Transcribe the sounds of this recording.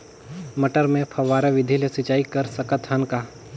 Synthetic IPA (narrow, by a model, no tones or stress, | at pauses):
mɐʈəɾmẽpʰɐʋaːɾaʋɪd̪ʱilesɪt͡ʃaːikɐɾsəkət̪ɦɐnka